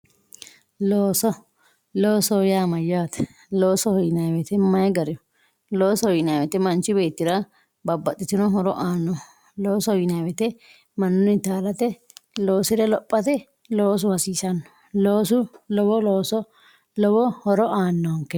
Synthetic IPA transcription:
loːsɔ | loːsɔjaːmɐjːaːt̪ɛ̥ | loːsɔhɔjɪnɐwɛt̪ɛmɐjɡɐɾɪɔ | loːsɔɔjɪnaːwɛt̪ɛmɐnt͡ʃːɪbe̞ːt̪ːɪɾɐ | bɐbːɐt̪ʼːɪt̪ɪnɔɦɔɾɔʔaːnːɔ | lo̞ːsɔhɔjɪnaːwɛt̪ɛ | mɐnːʊnɪt̪aːlɐt̪ɛ | loːsɪɾɛlɔpʼːɐt̪ɛ | loːs̬ʊhɐsiːsɐnːɔ̥ | loːsʊlɔwɔloːsɔ | lɔwɔhɔɾɔʔaːnːɔŋkːɛ

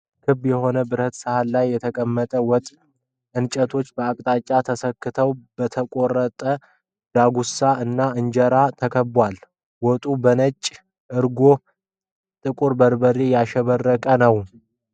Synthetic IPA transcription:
kʰɨbːjɛho̞nəbɨɾət̪sɨhalːajːɛt̪ʰəkʼəmːət̪ʼəwɔt̪ʼ | ʔɨnt͡ʃʼət̪ʰo̞t͡ʃːbəakʼt̪ʼat͡ʃʼːat̪ʰəsəkːɨt̪ʰəwb̥ət̪ʰəkʼo̞rət̪ʼə | d̪̥aɡusaʔɨnːaɨnd͡ʒɛɾat̪ʰəkʰəbwal | wɔt̪ʼubənət͡ʃʼː | ʔɨɾɡo̞ | t̪ʼɨkʼuɾbəɾbəɾejaʃɛβərːəkʼənəw

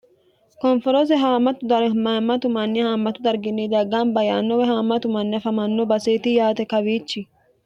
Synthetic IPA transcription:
kɔnfɔɾɔs̬ɛɦaːmɐt̪ʊd̪ɐɾmɐmɐt̪ʊmɐnːɪhaːmːɐt̪ʊd̪ɐɾɡɪnːid̪ɐɡaːnbɐja̰ːnːɔwɛɦhaːmːɐt̪ʊmɐnːɪɐfɐmɐnːɔbɐseːt̪ɪjaːt̪ɛkɐβiːt͡ʃːɪ

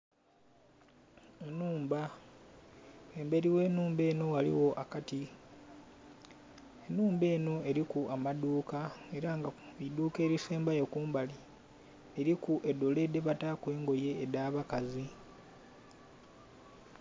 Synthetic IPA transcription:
enuːmba | eːmbe̞ɾiwe̞ːnuːmbe̞ːno̞walḭwo̞ʔakati | enuːmbe̞ːno̞e̞ɾikuamaduːkae̞ɾaŋɡaiduːke̞ːɾiseːmbajekuːmbali | eɾikuʔe̞dːo̞le̞dːe̞βatakwe̞ːŋɡo̞je̞ːdaːβakazi

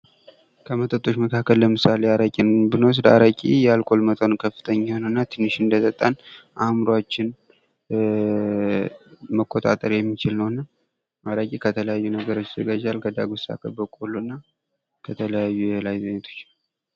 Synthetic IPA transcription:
kʰəmət̪ʼət̪ʼːo̞ʃməkʰakʰːəlːəmɨsaleaɾakʼinbɨnows̬d̪a̰ɾakʼḭjɛalkʼo̞lmət̪ʼonɨnkʰəfːɨ̥t̪ʰəɲːahonəwɨnːat̪ʰɨnːɨʃɨnd̪ət̪ʰət̪ʼːanʔamɾoat͡ʃːɪn | məkʰʼːot̪ʼa̰t̪ʼəɾjɛmːit͡ʃɪlnəwnːa | ʔaɾakʼikʰət̪ʰələjajːunəɡəɾo̞t͡ʃːzəɡad͡ʒalkʰəd̪aɡosa̰kʰʼəbəkʼolːunːa | kʰət̪ʰələjajːujɛlajzəɲːət̪ʰo̞̥t͡ʃːn

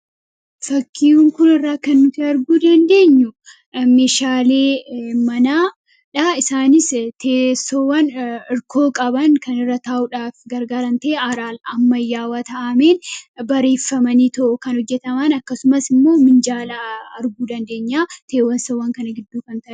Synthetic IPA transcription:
fɐkːiːuŋkʊnɪrːaːkɐnːʊt̪ɪɐɾɡuːd̪ɐnd̪e̞ːɲːʊ | meːʃaːle̞ːmɐnaː | ᶑɐɪsaːnɪst̪ʰeːsowɐnɪɾkʰo̞ːkʼɐbɐŋkʰɐnɪrːɐt̪aːʔʊᶑaːfɡɐɾɡaːɾɐnt̪e̞ːʔɐɾaːlɐmːɐjːaːwaːt̪ɐʔɐme̞ːnbɐɾe̞ːfːɐmɐniːt̪ɔʔʊkɐnhɔd͡ʒːɛt̪ɐmɐnɐkːɐsʊmɐsɪmːo̞ːmɪnd͡ʒaːlɐɐɾɡuːd̪ɐnd̪e̞ːɲːaːt̪ʰe̞ːwɐnsowɐŋkɐnɐɡɪd̪ːuːkɐnt̪ɐʔ

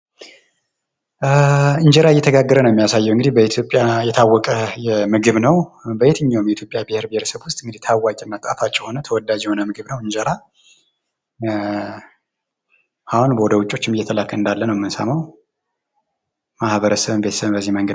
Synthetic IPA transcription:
ɨɲd͡ʒəɾaɪjːɛt̪ʰəɡaɡːəɾənəwjɪmijasajːɛwɨŋɡɨd̪ihbəit̪ʰjo̞pʼjajɛt̪ʰawːɔkʼəjɛmɨɡɨβnəwbəjet̪ʰɨɲːawmjɛit̪ʰjopʼjabiheɾbiheɾəsəβwʊst̪ʼɨŋɡɨd̪iht̪ʰawːakʼɪnːat̪ʼa̰fat͡ʃʼːɛho̞nət̪ʰəwɔd̪ːad͡ʒɛho̞nəmɨɡɨβnəwɨɲd͡ʒɛɾa | ʔahunbəwɔd̪əwut͡ʃʼːo̞t͡ʃːɪmjːɛt̪ʰəlakʰːəɨnd̪alːənəwmːɨnsa̰maw | mahβəɾəsəβɨnbe̞t̪ə̥səβɨbəzːihməŋɡə

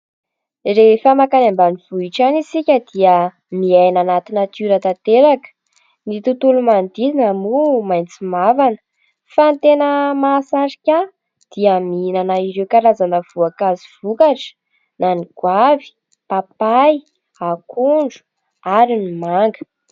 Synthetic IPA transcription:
refəmakanambaniv̥uiʈ͡ʂanisikʲəd̪̥iə | miajnanat̪inat̪uɾat̪at̪eɾakə̥ | nit̪ut̪ulumand̪izinamumajnt͡simavanə̥ | fant̪enəmasaɾikʲa | d̪̥iaminanaiɾewkaɾazanəv̥uakaziv̥ukaʈ͡ʂə̥ | naniɡ̥wavi̥ | papaj | akʰuɳɖ͡ʐu̥ | aɾinimaŋɡə̥

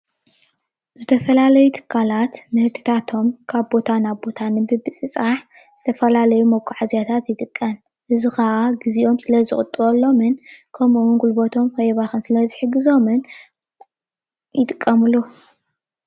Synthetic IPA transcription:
zɨt̪ʰɐfɐlalɐjut̪ʰɨ̥kʰːalat̪mɨhɨɾt̪ʰi̥t̪ʰat̪ʰo̞mkʰaβbo̞t̪ʰanaβbo̞t̪ʰanɨbɨbɨt͡sʼɨt͡sʼaħ | z̥ɨt̪ʰɐfɐlalɐjumɐkʰːuʕazjat̪ʰat̪jɪt̪ʼɨkʼːɐm | ʔɨzixaʔaɡɨziʔo̞msɨlɐzɨxʼɨt̪ʼːɨβolːo̞mɨnkʰɐmʔunɡʼulbot̪ʰo̞mkʰɐjβaxɨnsɨlɐzɨħɨɡɨzo̞mɨn | jɪt̪ʼɨkʼːɐmulu

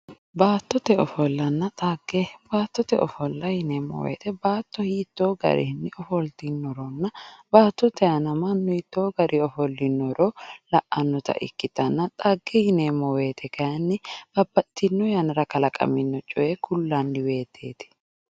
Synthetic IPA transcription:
baːt̪ːɔt̪ɛɔfɔlːɐnːɐt̪ʼaɡɛbaːt̪ːɔt̪ɛʔɔfɔlːɐhɪneːmːɔ̰wḛːt̪ɛbaːt̪ːɔhiːt̪ːoːɡɐ̰ɾɪ̰hnːɪɔfɔlt̪ɪnːɔɾɔnːɐbaːt̪ːɔt̪ɛɐnɐmɐnːɔɪt̪ːoːɡɐɾʔɪɔfɔlːɪnːɔɾolɐʔɐnːɔt̪ɐ̰ʔɪ̰kːɪt̪ɐnːɐt̪ʼaːɡːɛhɪneːmːɔwe̞ːt̪ʰɛkɐjɐnːɪb̥ɐbːɐt̪ːɪnːɔjɐnɾɐkɐlɐkʼɐ̰mɪnːɔt͡ʃʼɔjɛkʰʊlːɐnːɪwe̞ːt̪ʰːḛːt̪ɪ̥

